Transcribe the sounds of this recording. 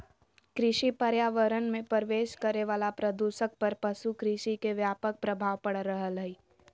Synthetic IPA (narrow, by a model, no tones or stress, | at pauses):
kɾɪʃipəɾjaːʋəɾənmẽpəɾʋeːʃkəɾeʋaːlapɾəd̪uːʃək̚pɐɾpɐʃukɾɪʃikeʋjaːpək̚pɾəbʱaːʋpɐɽɾəɦələi